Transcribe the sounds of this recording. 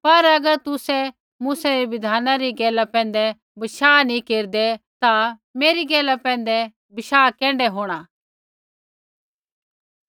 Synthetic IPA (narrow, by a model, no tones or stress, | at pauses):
pɐɾɐɡəɾt̪ʊsɛ | muːsɛɾeʋɪd̪ʱaːnãɾiɡɛːlapɛ̃ːn̆d̪ɛ | bɪʃaːnĩkeːɾd̪ɛt̪ameːɾiɡɛːlapɛ̃ːnd̪ɛ | bɪʃaːkɛ̃ːɳɖɛɦoːɽ̃a